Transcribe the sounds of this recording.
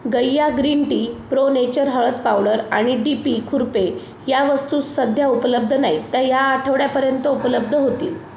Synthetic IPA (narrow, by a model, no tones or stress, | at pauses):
ɡəjːaɡɾiɳʈiːpɾonet͡ɕəɾɦəɭət̪̚pawɽəɾaɽ̃iɖipikʰuɾpe | jaʋəst̪uːsəd̪ʱjaupələb̚d̪ʱənait̪jajaːʈʰəʋɽjapəɾjənt̪əupələb̚d̪ʱəɦot̪ḭːl